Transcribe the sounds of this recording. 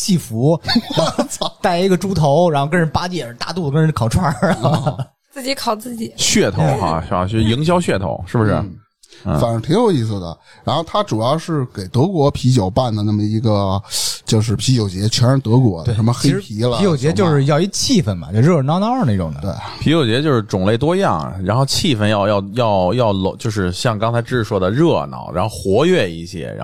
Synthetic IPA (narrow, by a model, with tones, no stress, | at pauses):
t͡ɕi˥˩fu˧˥ | t̪a˥˩ɪi˧˥ɡə˧ʈ͡ʂu˥t̪ʰo˧˥ʊɻa˧˥xkə˥nɻə˥npa˥t͡ɕjɛ˥˩˧t̪a̰˥˧t̪u˥˩əkə˥nɻə˧˥nkʰɑ˨˩ʊʈ͡ʂʰwa˥ | t͡sɹ̩˥˩t͡ɕi˧˥kʰɑ˨˩ʊt͡sɹ̩˥˩t͡ɕi˨˩˦ɕɥɛ˥˩t̪ʰo˧˥ʊxa̰˧ʂɻ̩˥˩ba̰˧˥˧i˧˥ŋɕ̬jɑ˥ʊɕɥɛ˥˧˩t̪ʰo̰˧˥ʊʂɻ̩˥˩bə˩ʂɻ̩̰˥˩˥ | fa˨˩nə˧˥t̪ʰi˧˥ŋjo˨˩ʊi˥˩s̬ɹ̩˨˩d̪ə̰˩ | ɻa˧˥nxo˥˩ʊt̪ʰa˥ʈ͡ʂu˨˩jɑ˥˧ʊʂɻ̩˥˩ke˨˩ɪt̪ɤ˧˥kwɔ˧˥pʰi˧˥t͡ɕjɑ˨˩ʊpa˥˩nd̪ə˩na˥˩mə˩i˧˥ɡə˧t͡ɕjo˥˧ʊʂ̬ɻ̩˥˩pʰi˧˥t͡ɕjo˨˩ʊt͡ɕjɛ˧˥t͡ɕʰɥɛ˧˥nə˧˥t̪ɤ˧˥k̬wɔ˧˥e˥˧ʂə˧˥mə˧xe˥ɪ˥pʰi˧˥lə˧˥jo˧˨˩ʊt͡ɕjɛ˥˧˥jo˥˧ʂɻ̩˥˧jɑ˥˧ʊi˧˥˧t͡ɕʰi˥˩fə˧˩nmbɐ̰˩t͡ɕjo˥˧ʊɻɤ˥˩˧nɑ˥ʊnɑ˞˥˧ə˥˧˩ʈ͡ʂʊ̰˨˩ŋ˧˥t̪we˥˩ɪ | pʰi˧˥t͡ɕjo˨˩ʊt͡ɕjɛ˧˥t͡ɕjo˥˧ʊʂɻ̩˥˩ʈ͡ʂʊ˨˩ŋle˥˩ɪt̪wɔ˥jɑ˥˩ŋɻa˧˥nxo˥˧ʊt͡ɕʰi˥˧˩fə˧njɑ˥˧ʊjɑ˥˧ʊjɑ˥˧ʊjɑ˥˧ʊlo˧˥t͡ɕjo˥˧ʊʂɻ̩˥˧ɕjɑ˥˩ŋkɑ˥ŋt͡sʰa˧˥ɪʈ͡ʂɻ̩˥˧swɔ˥˩d̪ə˩ɻɤ˥˧nɑ̰˥˩ʊɻa˧˥nxo˥˧xwɔ˧˥ɥɛ˥˧ḭ˥˩ɕjɛ̰˥ɻa̰˧˥